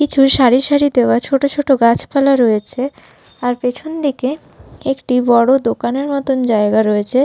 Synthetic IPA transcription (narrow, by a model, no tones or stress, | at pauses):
kit͡ɕʰuɾʃaɾiʃaɾid̪eoat͡ɕʰoʈot͡ɕʰoʈoɡat͡ɕʰpalaɾojet͡ɕʰe | aɾpet͡ɕʰond̪ike | ekʈibɔɽod̪okaneɾmɔt̪ond͡ʑaeɡaɾoet͡ɕʰe